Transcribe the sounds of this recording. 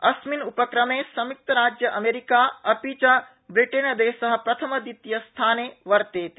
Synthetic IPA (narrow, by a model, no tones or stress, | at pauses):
ɐsminupɐkɾɐmeːsɐmik̚t̪ɐɾaːd͡ʒjɐʔɐmeːɾikaːɐpit͡ʃa | bɾiʈeːnɐd̪eːʃɐɦɐ̆pɾɐt̪ʰɐmɐd̪it̪jɐst̪ʰaːneːʋɐɾt̪eːt̪